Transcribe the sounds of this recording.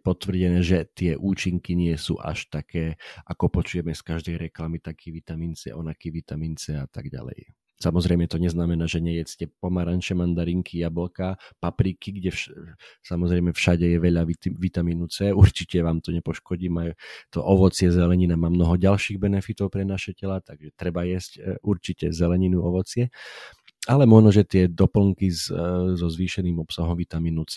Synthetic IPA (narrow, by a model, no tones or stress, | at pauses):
pɔt̪ʋr̩ɟɛnɛːʒɛt̪ɪɛʔuːt͡ʃiŋkiɲɪɛsṵʔa̰ʃt̪akɛːʔakɔpɔt͡ʃujɛmɛskaʒd̪ɛjɾɛklamit̪akʰiʋit̪amiːnt͡sɛ̰ʔɔnakiʋit̪amiːnt͡sɛat̪a̰ɡɟa̰lɛ̰j | samɔzɾɛjmɛt̪ɔɲɛznamɛnaːʒɛɲɛjɛt͡scɛpɔmaɾant͡ʃɛmand̪aɾiŋkʰijabl̩kapapɾikiɡɟɛfsamɔzɾɛjmɛfʃaɟɛjɛʋɛʎaʋiʋit̪amiːnut͡sɛuɾt͡ʃicɛʋaːmt̪ɔɲɛpɔʃkɔɟiːmajut̪ɔʔɔʋɔt͡sɪɛzɛlɛɲinamaːmnɔɦɔɟalʃiːɣbɛnɛfit̪ɔʊpɾɛnaʃɛcɛlat̪aɡʒɛt̪ɾɛbajɛscuɾt͡ʃicɛzɛlɛɲinuɔʋɔt͡sɪɛ | alɛmɔʒnɔʒɛt̪ɪɛd̪ɔpl̩ŋkizzɔzʋiːʃɛniːmɔpsaɦɔmʋit̪amiːnut͡sɛ